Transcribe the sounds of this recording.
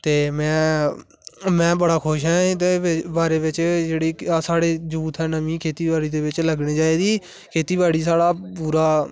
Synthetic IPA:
t̪eːmɛ̃ː | mɛ̃ːbəɽaːkʰʊʃɦɛ̃ːt̪eːbaːɾeːʋɪt͡ʃd͡ʒeːɽiːsaːɽeːd͡ʒuːt̪ʰɦɛ̃ːnəmĩːkʰeːt̪iːbaːɽiːd̪eːʋɪt͡ʃləɡneːd͡ʒaːeːd̪iː | kʰeːt̪iːbaːɽiːs̬aːɽaːpuːɾaː

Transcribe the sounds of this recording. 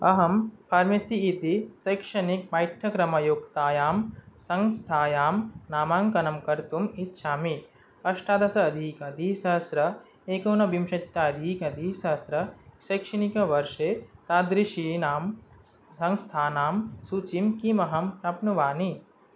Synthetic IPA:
ɐɦɐmpʰaːɾmesiːt̪isɐjkʃɐnik̚paːjʈʰɐkɾɐmɐjoːkt̪aːjaːmsɐŋst̪ʰaːjaːmnaːmaːŋkɐnɐmkɐɾt̪umit̪ːʃʰaːmi | kɐʃʈaːd̪ɐsɐɐd̪ʱiːkɐd̪ʱisɐɦɐsɾɐ | eːkoːnɐbimʃɐt̪ːaɐd̪ʱikɐd̪ʱisɐɦɐsɾɐsɐjkʃɐnikɐʋɐɾʃeːt̪aːd̪ɾiʃinaːm | ɐŋst̪ʰaːnaːmsuːt͡ʃimkimɐɦɐmnɐpnuʋaːni

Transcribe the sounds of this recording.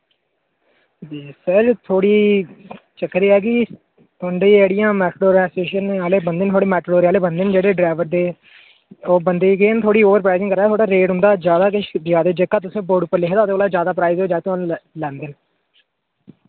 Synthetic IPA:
d͡ʒiːsəɾt̪ʰoːɽiː | t͡ʃəkːɾiːɛːkɪ | t̪ʰə̃ɳɖeːeːɽɪjãːmɛːʈɽoːɾãːseːʃəneaːleːbənd̪eːnt̪ʰoːɽeːmɛːʈɽoːɾeːaːleːbənd̪end͡ʒeːɽeːɖɾaːʋəɾd̪eː | oːbənd̪eːɡeːnt̪ʰoːɽiːoːʋəɾpɾaːɪzɪ̃ŋkəɾaːt̪ʰoːɽaːɾeːʈʊnd̪aːd͡ʒjaːd̪aːkɪʃd̪ɪaːd̪eːd͡ʒeːkːaːt̪̬ʊsẽːboːɖuːpːəɾlɪkʰd̪aːt̪eoːlaːd͡ʒjaːd̪aːp̬ɾaːɪzoːd͡ʒaːt̪ʊãnlɛ̃ːnd̪en

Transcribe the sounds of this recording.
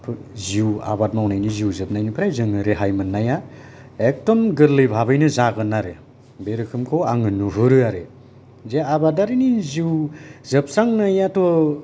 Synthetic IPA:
pʰziwa̰bat̚mawnajniziwzɯp̚najnipʰɾajzɯŋɯɾeɦajmɯnːaja | ek̚tɔmɡɯɾlɯjbʱabɯjnɯzaɡɯnaɾe | beɾɯkʰɯmkʰɔwaŋɯnuɦɯɾɯaɾe | zeabataɾiniziwzɯp̚saŋnajatɔ

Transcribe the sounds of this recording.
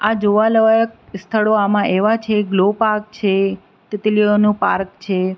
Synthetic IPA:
ad͡ʒoʋaləʋajək̚st̪ʰəɭoamãʔeʋat͡ʃʰeɡlopaɾk̚t͡ʃʰe | t̪ɪt̪lionũpa̰ɾk̚t͡ʃʰe

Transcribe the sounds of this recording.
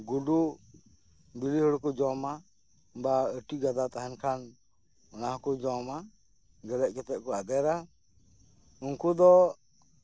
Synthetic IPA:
ɡuɖu | bilihɔɽkɔd͡ʒɔma | baəʈiɡad̪at̪aɦɛnkʰan | ɔnahkud͡ʒɔma | ɡəɾɛʔ̚kɛt̪ɛʔ̚ˀkɔad̪ɛɾa | unkud̪ɔ

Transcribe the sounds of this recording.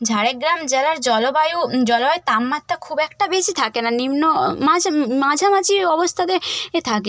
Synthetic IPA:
d͡ʑʱaɽeɡɾamd͡ʑɛlaɾd͡ʑɔlobajud͡ʑɔlaet̪amːat̪ːakʰubɛkʈabesit̪ʰakenanimnomamad͡ʑʱamad͡ʑʰiɔbost̪ʰat̪eet̪ʰake

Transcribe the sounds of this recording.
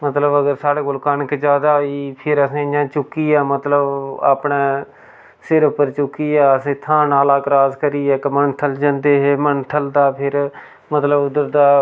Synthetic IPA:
mət̪ləbəɡəɾsaːɽeːbʊlkaːnkd͡ʒaːd̪aːiːpʰɪɾəsẽːd͡ʒãːt͡ʃʊkːiːaːmət̪ləba̰ːpɳeː | sɪɾʊpːəɾt͡ʃʊkːiːaːəsẽːt̪ʰãːnaːlaːkɾaːzkəɾiːɛːkmənʈʰəld͡ʒãnd̪eːɦeːmənʈʰəld̪aːpʰɪɾ | mət̪ləbʊd̪əɾd̪aː

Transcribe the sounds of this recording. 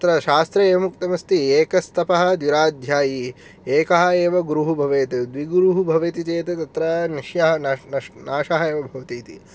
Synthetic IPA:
t̪ɐt̪ɾɐʃaːst̪ɾɐeːʋɐmukt̪ɐmɐst̪ieːkɐst̪ʰɐpɐɦɐ̆d̪ʋiɾaːd̪ʱjaːji | eːkɐɦɐ̆eːʋɐɡuɾuɦubʱɐʋeːt̪id̪ʋiɡɾuɦubʱɐʋeːt̪it͡ʃeːt̪ɐt̪ɐt̪ɾɐniʃjɐɦɐnɐnɐnaːʃɐɦɐeːʋɐbʱɐʋɐt̪iːt̪i

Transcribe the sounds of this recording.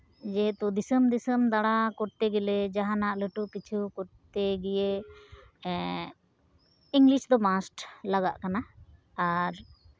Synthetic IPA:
d͡ʒɛt̪ud̪isəmd̪isəmd̪aɽakɔʈt̪ɛɡɛlɛd͡ʒaɦanaʔləʈukit͡ʃʰukɔɾt̪eɡɛje | iŋɡliʃd̪ɔmasʈlaɡaʔkanaː | ɾ

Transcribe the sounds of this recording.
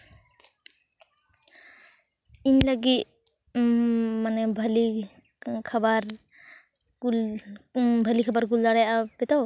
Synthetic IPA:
inlaɡit | manɛbʱəli | kʰabaɾ | ul | bʱəlikʰabaɾɡulːaɽajabɛt̪aw

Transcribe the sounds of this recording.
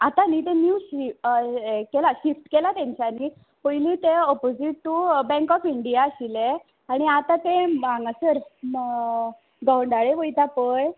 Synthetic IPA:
at̪ãnit̪̬enjuɕi | kɛlaɕifʈkelat̪jãɲt͡ɕaniː | pəjliːt̪eɔpod͡ziʈ̚ʈubɛ̃ŋkɔfiɳɖijaəɕile | aɽ̃iat̪ãt̪ẽãŋɡasəɾ | ɡəwɳɖaɭeʋəjt̪apəj

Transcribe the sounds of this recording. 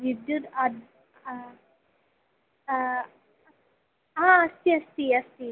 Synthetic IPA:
ʋid̪jut̪ad̪ | ɦãəst̪iːəst̪iːəst̪iː

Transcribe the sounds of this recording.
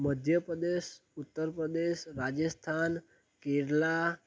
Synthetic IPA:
məd̪ʱjəpɾəd̪eʃut̪ːəɾpɾəd̪eʃɾad͡ʒəst̪ʰan | keɾla

